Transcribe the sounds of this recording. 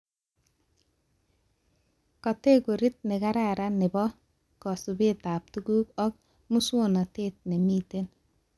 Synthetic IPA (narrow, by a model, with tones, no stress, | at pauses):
kɔ˨te˦ko˨ɾi˦t̚nɪ˨ka˦ɾaɾa˦nɪ˨bɔ˦ | kɔ˨su˨be˦ta˨p̚tu˦ɡuː˦kɔ˦k | mu˦sona˨teːt̚ne˨miː˦te˦n